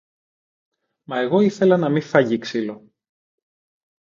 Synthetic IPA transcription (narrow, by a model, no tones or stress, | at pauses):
mɐe̞ɣo̞iθe̞lɐnɐmifɐʝiksilo̞